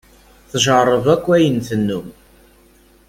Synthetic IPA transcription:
θʒərˤːəvækʷːæjənθənːum

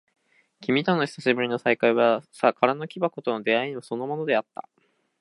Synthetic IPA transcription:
kʲimʲit̪onːo̞çi̥saɕibɯ̟ɾʲino̞saikaiβasakʰaɾano̞kʲibako̞t̪o̞nod̪e̞aiɲ̟iβaso̞no̞mo̞no̞d̪e̞at̪ːa̰

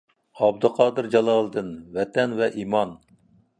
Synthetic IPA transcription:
ɑbd̪ɨqʰɑːd̪ɨɾd͡ʒɑlˠɑlˠɨd̪ɨnvɛt̪ʰɛnvɛʔimɑn

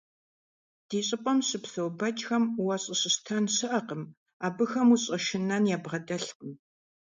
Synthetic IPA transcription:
d̥iːɕʼɪpʼɔmɕɨpsɐwbɐt͡ʃʼxɐmwɐɕʼɐɕɪɕtʰanɕɨʔɐqəm | aːbɨxɐmuɕʼɐʃɪnɐnjaːbʁɐdɐɬqəm

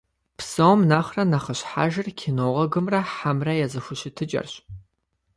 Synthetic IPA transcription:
pʰsɐwmnaːχrɐnɐχəɕħa̰ːʒɐrkʲʰinoːʁɐɡɨmrɐħamrɐjɛzɐxʷʊɕɪtʰɨt͡ʃʼɐ̰rɕ

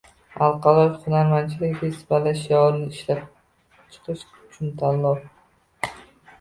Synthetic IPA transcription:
a̰lˠqʰɑlˠɒjχʊnaɾmant͡ʃʰɪlɪkʲd̪ʲasbalaʃjɒɾlɪʃlap̚ | t͡ʃʰɨ̥qʰɨʃ | ʊt͡ʃʰʊnt̪ʰalːɒ

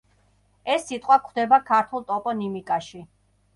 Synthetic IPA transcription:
ɛsːit̪ʼqʼwakʰχd̪ɛbakʰaɾt̪ʰulˠt̪ʼɔpʼɔnimikʼaʃi

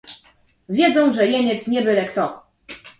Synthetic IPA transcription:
vʲjɛd̪zɔ̃w̃ʐɛjɛɲɛt̪sɲɛbɘlɛkt̪ɔ

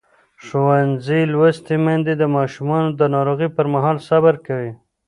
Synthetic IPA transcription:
ʃuwanzilwəst̪imand̪ed̪əmɑʃumɑnod̪ənɑɾoɣipəɾmaɦɑlsabaɾkawi

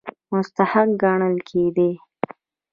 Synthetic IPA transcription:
mʊst̪ahak̚ɡɑɳəlkʰed̪e

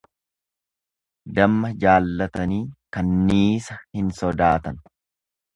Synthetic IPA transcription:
d̪ɐmːɐd͡ʒaːlːɐt̪ɐniːkɐnːiːsɐhɪnsɔd̪aːt̪ɐn

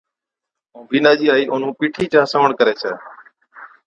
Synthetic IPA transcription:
ũːbiːnaːd͡ʒiːaːiːʔõːn̤ũːpiːʈʰiːt͡ʃãːsəʋəɳkəɾeːt͡ʃʰeː

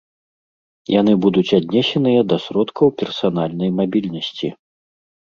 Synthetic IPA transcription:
janɨbud̪ut͡sʲad̪ʲnʲɛsʲɛnɨjɐd̪ɐsɾɔt̪kʰɐwpʲɛrsan̪alʲnɐjmabʲilʲnɐsʲt͡sʲi

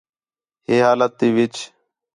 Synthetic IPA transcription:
ɦeːɦaːlət̪̚d̪iːʋɪt͡ʃ

